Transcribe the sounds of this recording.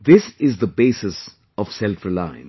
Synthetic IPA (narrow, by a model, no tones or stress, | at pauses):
d̪ɪsɪzd̪əbeːsɪs | ɔʋsɛlfɾəlã̰ɪ̃n